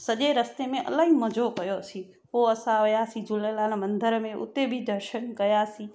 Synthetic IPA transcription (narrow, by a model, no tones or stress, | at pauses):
səʄeɾəst̪emẽʔə̰laiməd͡ʒokəjosi | ɦoəsãjasid͡ʒulelanmə̃nd̪ʱəɾmẽʔʊ̰t̪ːebʱid̪ʱəɾʃənkəjasi